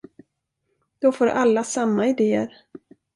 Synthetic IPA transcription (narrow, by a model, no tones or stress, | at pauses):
d̪̥ɔfoːɾʔalːasamːaɪd̪eːə̰ɾ